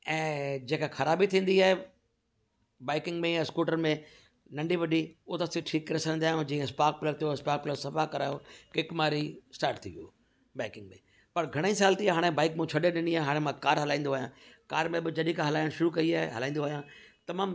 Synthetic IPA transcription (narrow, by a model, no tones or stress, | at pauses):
ɛ̃ːd͡ʑeːkaxɐɾaːbit̪ʰĩːn̆d̪iaːɦe | baːɪkɪ̃ŋɡmẽɛ̃skuːʈəɾmẽ | nɐ̃ɳɖiʋɐɗiʊt̪ɐst̪iʈʰiːkːɐɾɪsə̃ñnd̪iaːjũd͡ʑĩːə̃spaːk̚pɪlət̪ʰijospaːk̚pɪləsɐfakɐɾaːjokɪkmaːɾisʈaːɾʈt̪ʰiːʋijo̰ː | baːɪkɪ̃ŋɡmḛ̃ | pɐɾɡʱɐɽ̃eĩsaːlt̪iaɦaːɽ̃ebaːɪkmũt͡ɕʰɐɗeɗɪniaːeɦaːɽ̃ẽmãkaːɾɦɐlaːĩːnd̪aːɦjãːkaːɾmẽbɪd͡ʑɐɗĩkãɦɐlaːɪɽ̃ʃʊɾukɐiaːɦeɦɐlãːĩːnd̪oaːɦjãːt̪ɐmãːm